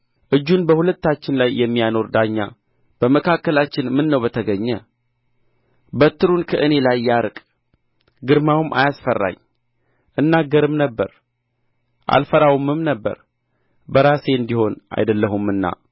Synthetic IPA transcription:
ʔɨd͡ʒːunbəhulət̪ːat͡ʃːɪnlajːɛmːijano̞ɾd̪aɲːa̰ | b̥əməkʰakːəlat͡ʃːɪnmɨnːəwbət̪ʰəɡəɲːə | bət̪ːɨɾunkʰəʔɨne̞lajːaɾkʼ | ɡɨɾmawɨmʔa̰jasfərːa̰ɲ | ʔɨnːaɡːəɾɨmnəbːəɾ | ʔa̰lfəɾawɨmɨmnəbːə̰ɾ | bəɾase̞ɨnd̪iho̞nʔa̰jd̪əlːəɦumɨnːa̰

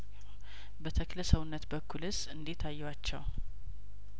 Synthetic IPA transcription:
bət̪ʰəkləsəwunːət̪bəkʰːulhɨzɨnd̪it̪ʰːajːwat͡ʃːɛw

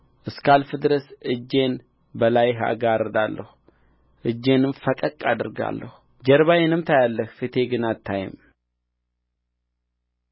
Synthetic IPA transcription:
ʔɨskalfɨd̪ɨɾəsɨd͡ʒːe̞n | bəlajɦa̰ɡaɾəd̪alːəhu | ʔɨd͡ʒːe̞nɨmfəkʼəkʼːad̪ɨɾɡa̰lːəhu | d͡ʒəɾβajɛnɨmt̪ʰajalːəhfit̪ʰe̞ɡɨnat̪ʰːajɪ̰m

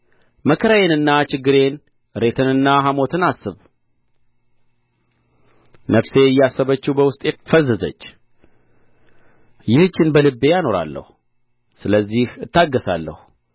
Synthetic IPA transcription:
məkʰəɾajenɨnːat͡ʃɪɡːɨɾe̞n | ɾe̞t̪ʰɨnɨnːaɦamo̞t̪ʰɨnasːɨβ | nəfse̞ɨjːasːəβət͡ʃːubəwʊst̪ʼjɛfəzːəzə̰t͡ʃː | jɪhɨt͡ʃːɪnbəlɨbːe̞jano̞ɾa̰lːə̰hu | sɨləzːihɨt̪ʰːaɡːəsa̰lːə̰hu

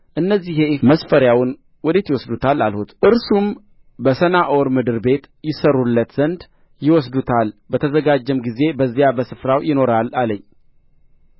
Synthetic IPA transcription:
ʔɨnːəzːiheməsfəɾjawn | wɔd̪et̪jɪwɔsd̪ut̪ʰala̰lhut̪ʔɨɾsum | bəsənaʔoɾmɨd̪ɨɾbe̞t̪ | jɪsəɾulːət̪zənd̪ | jɪwɔs̬d̪ut̪ʰalbət̪ʰəzəɡad͡ʒːɛmɡize̞bəzːijabəsɨfɾawjɪno̞ɾalaləɲː

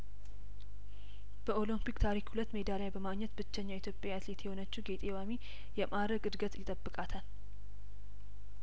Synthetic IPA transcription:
b̥əʔo̞limpikt̪ʰaɾikhulət̪ːme̞d̪alajbəmaɡɲːɛt̪bɨt͡ʃːɛɲːait̪ʰjo̞pʼjaat̪le̞t̪ʰjɛho̞nət͡ʃːuɡe̞t̪ʼewami | jɛmaɾəɡɨd̪ɡət̪jɪt̪ʼəbːɨkʼat̪ʰal

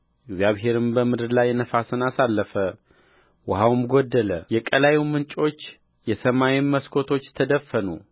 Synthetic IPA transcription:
ɪɡzjaβɦe̞ɾɨmbəmɨd̪ɨɾlajːɛnəfasɨnasalːəfə | wʊɦawmɡod̪ːələjɛkʼəlajiwmɨnt͡ʃʼo̞t͡ʃː | jɛsəmawimməskʰo̞t̪ʰo̞t͡ʃːt̪ʰəd̪əfːənu

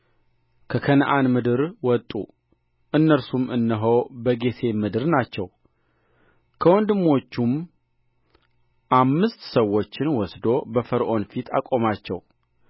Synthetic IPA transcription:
kʰəkʰənʔanmɨd̪ɨɾwɔt̪ʼːu | ʔɨnːəɾsumɨnːəɦəwbəɡe̞t̪ʰe̞mɨd̪ɨɾnat͡ʃːɛw | kʰəwɔnd̪ɨmːo̞t͡ʃːum | ʔamːɨst̪səwːo̞t͡ʃːɪnwɔsd̪o̞bəfəɾʔo̞nfit̪ʰa̰kʼo̞mat͡ʃːɛw

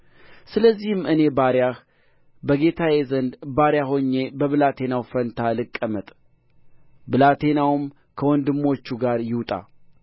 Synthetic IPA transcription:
sɨləzːihɨmɨne̞baɾjah | bəɡe̞t̪ʰajezənd̪baɾjaɦoɲːe̞bəβɨlat̪ʰe̞nawfənt̪ʰalɨkʼːəmət̪ʼ | bɨlat̪ʰe̞nawɨm | kʰəwɔnd̪ɨmːo̞t͡ʃːuɡaɾjɪwt̪ʼa̰

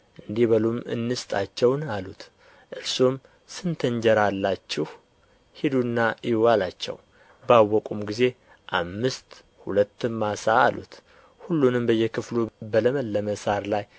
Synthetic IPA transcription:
ʔɨnd̪ihβəlumɨ̰nːɨst̪ʼat͡ʃːɛwnalut̪ | ʔɨɾsom | sɨnt̪ʰəɲd͡ʒəɾalːat͡ʃːɪh | hid̪unːaʔiwalat͡ʃːɛ̰w | bawːɔkʼumɡize̞ | ʔamːɨst̪ | hulət̪ːɨmːasaːlṵt̪ | hulːunɨmbəjːɛkʰɨflubələməlːəməsaɾlaj

